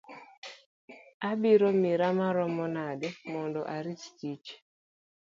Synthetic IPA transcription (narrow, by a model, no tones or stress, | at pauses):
abiɾomiɾamaɾɔmɔnadɛmɔndɔ̰ʔaɾistit͡ʃ